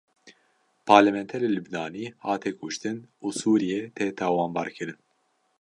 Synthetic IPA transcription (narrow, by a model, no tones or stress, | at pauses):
pʰɑːɾlɛmɛnt̪ʰɛɾelubnɑːniːhɑːt̪ʰeːkʰʊʃt̪ɨnuːsuːɾijɛt̪ʰeːt̪ʰaːwɑːnbɑːɾkʰɨɾɨn